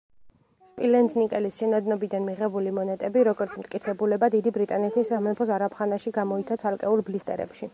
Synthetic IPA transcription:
spʼilɛnsnikʼɛlisʃɛnad̪nɔbid̪anmiʁɛbulimɔnɛt̪ʼɛbiɾɔɡɔɾt̪sʰmt̪kʼit̪sʰɛbulɛbad̪id̪ibɾit̪ʼanɛt̪ʰisːamɛpʰɔs̬aɾapʰχanaʃiɡamɔit̪sʰat̪sʰalˠkʼɛulˠblist̪ʼɛ̰ɾɛ̰pʃi

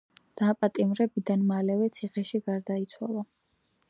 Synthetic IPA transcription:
d̪̥apʼat̪ʼimɾɛbid̪anmalɛvɛt̪sʰiχɛʃiɡaɾd̪ait̪sʰwa̰lˠa

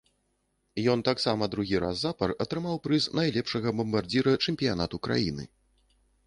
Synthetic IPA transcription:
jɔnt̪aksamɐd̪ɾuɣʲiɾa̰zːapɐrɐt̪ɾɨmawpɾɨsnajlʲɛpʂɐɣɐbɐmbardd͡zʲiɾɐt͡ʂɛmʲpʲijan̪a̰t̪ukɾa̰jḭnɨ̰

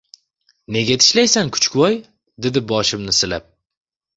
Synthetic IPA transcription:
ne̞ɡʲat̪ʰɪ̥ʃlajsankʰʊ̥t͡ʃkʰʲʊwɒj | d̪ed̪ɪbɒʃɪmnɪsɪlap̚

